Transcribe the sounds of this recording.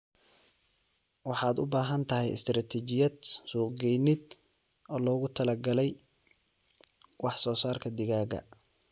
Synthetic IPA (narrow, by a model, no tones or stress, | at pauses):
wɑħɑːd̪ʊ̰baːɦɐnt̪ʰɐɦɛjɪ̰st̪ʰraːt̪ʰɛt͡ʃɪjɐd̪suːqɡɛjnɪd̪ | ʔɔːlɔːɣʊt̪ʰɐlɐɡɐlɛj | wɑħsɔːsaːrkʰɐd̪ɪɣaːɡɐ̰